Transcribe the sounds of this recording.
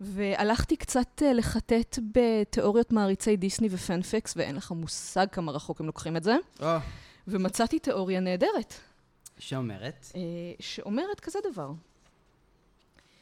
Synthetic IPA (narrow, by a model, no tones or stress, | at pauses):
ve̞ʔalaχtikt͡satele̞χate̞tbeteʔo̞ʁjo̞tmaːʁit͡se̞jdisnivefanfiksveʔḛnleχamusaɡ̚kamaʁaχo̞kemlokχimetze̞ovemat͡satite̞ʔo̞ʁjane̞ːde̞ʁet | ʃeomḛʁet̪ʃeʔo̞me̞ʁetkazedavaʁ